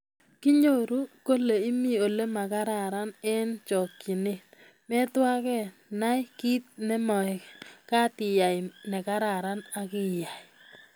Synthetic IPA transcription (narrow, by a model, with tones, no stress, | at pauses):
ki˦ɲo˦˨ɾu˦ko˦le˨i˦mi˦˨o˨le˦ma˨ka˦ɾa˨ɾa˦nɛ˦nt͡ʃɔ˨kːi˨ne˦˨t | mɛ˦twa˦kɛ˦ | na˦jki˦t̚nɛ˦mɔ˨kka˦tɪ˨ja˨jnɛ˨ka˦ɾa˨ɾa˦na˦ki˦ja˨i˨